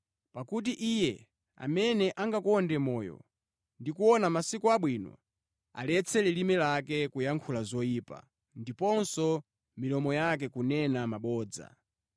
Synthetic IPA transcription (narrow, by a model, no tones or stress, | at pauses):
pakut̬iʔijɛ | a̰mɛnɛʔaŋɡakɔndɛmɔːjɔ̰ | ndikuɔnamasikuaɓwinɔ̰ | a̰lɛt͡sʰɛlilimɛlakɛkujaŋkʰulazɔiːpa̰ | ndipɔnsɔ | milɔmɔjak̬ɛkunɛnamaɓɔːd͡za̰